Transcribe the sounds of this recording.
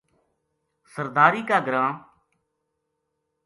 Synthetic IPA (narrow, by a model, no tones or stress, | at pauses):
səɾd̪aːɾiːkaːɡɾãː